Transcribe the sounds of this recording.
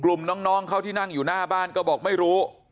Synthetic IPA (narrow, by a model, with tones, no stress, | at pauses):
klu˨˩mnɔː˦˥ŋnɔː˦˥ŋkʰa˥˩t̪ʰiː˥˩na˥˩ŋjuː˨˩naː˥˩baː˥˩nkɔː˥˩bɔː˨˩k̚ma˥˩jɾuː˦˥